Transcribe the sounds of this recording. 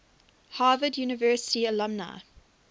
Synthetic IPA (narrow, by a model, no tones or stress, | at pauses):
haːvədjuːnɪvɜːˑsɪ̥tiəlʌ̃mna̰